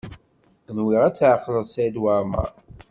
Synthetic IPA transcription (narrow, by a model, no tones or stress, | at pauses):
nwiʁæt͡sːʕəqːləðˤsæd̪waɾmæ̰